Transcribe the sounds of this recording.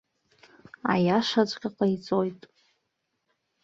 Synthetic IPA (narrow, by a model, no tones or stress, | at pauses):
a̰jaʂat͡ʃʷʼkʲʼaqʼait͡sʼojtʼ